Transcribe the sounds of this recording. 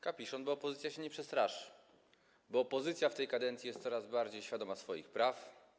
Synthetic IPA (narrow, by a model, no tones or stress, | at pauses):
kapʲiʂɔnbɔːpɔzɘt̪ʲjaɕɛɲɛpʂɛst̪ɾaʂ | bɔːpɔzɘt̪sʲjaft̪ɛjkad̪ɛnt̪sʲjijɛst̪sɔɾazbaɾd͡ʑejɕfʲjad̪ɔmasfɔjixpɾaf